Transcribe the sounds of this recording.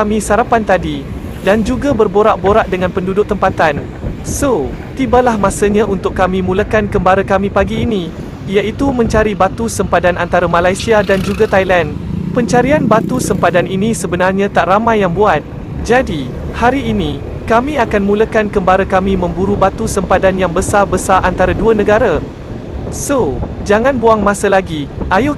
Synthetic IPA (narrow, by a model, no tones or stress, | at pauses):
amĩsaɾapant̪adi | dand͡ʒuɡabərboɾaʔboɾaʔdəŋãnpəndudʊk̚t̪əmpat̪an | sot̪ibalahmãsəɲãʔunt̪ʊkːamĩmũləkankəmbaɾəkamĩpaɡiːnĩ | ijaʔit̪umə̃ɲt͡ʃaɾibat̪usəmpadanant̪aɾamãlajsiadand͡ʒuɡat̪ajlanpəɲt͡ʃaɾianbat̪usəmpadaninisəbənarɲãt̪aʔramãjːaŋbuat̪̚ | d͡ʒadi | haɾiːnĩ | kamĩakanmuləkankəmbaɾakamĩmə̃mbuɾubat̪usəmpadanjaŋbəsarbəsaʔant̪aɾaduənə̃ɡaɾa | sod͡ʒaŋãnboaŋmãsəlaɡiʔajʊ